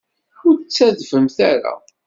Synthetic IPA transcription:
ʊɾt͡sːæðvəmθæɾa̰

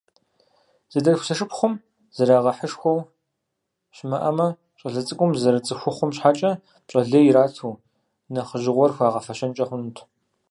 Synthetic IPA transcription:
z̥ɐdɐrxʷsɐʂɨpχʷʊm | z̥ɐɾaːʁɐħəʂxʷɔw | ɕmɐʔɐmɐ | t͡ʃʼɐɮɐt͡sʼɨkʷʼʊmzɐɾɐt͡sʼɨxʷʊχʷʊmɕħat͡ʃʼɐ | t͡ʃʼɐɮɐjɪɾaːtʰuː | nɐχəʒɪʁʷɔrxʷaːʁɐfɐʃɐnt͡ʃʼɐχʷʊnutʰ

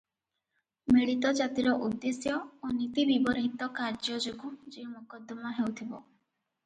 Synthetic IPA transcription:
meɭit̪ɔd͡ʒat̪iɾɔʔud̪ːesjɔonit̪ibibɔɾɦit̪ɔkaɾd͡ʒɔd͡ʒoɡud͡ʒiumukɔd̪ɔmɔɦewt̪ʰibɔ

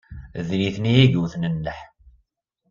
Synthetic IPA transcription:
ðliθniiɡuθnənːəħ

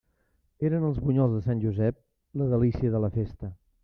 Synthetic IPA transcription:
eɾənəlˠzβuɲɔlˠzðəsanʲʒuzɛp̚ | ləðəlisiəðələfest̪ə

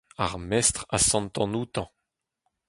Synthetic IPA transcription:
aʁmɛst̪χa̰sɑ̃nt̪ɑ̃nut̪ɑ̃

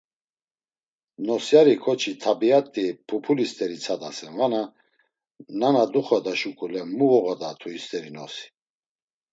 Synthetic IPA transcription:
nɔsjaɾikʰɔt͡ʃʰit̪ʰabiat̪ʼːipʰɔpʰulist̪ʼɛɾit͡sʰad̪asɛnvana | nanad̪uχɔd̪aʃukʼulɛmuɔɣɔd̪at̪ʰuist̪ʼɛɾinɔsi̥

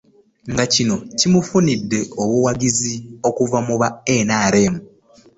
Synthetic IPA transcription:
ŋɡacino̞cimufunidːe̞o̞βuwaɡizio̞kuvamuβaenaːɾe̞ːmu

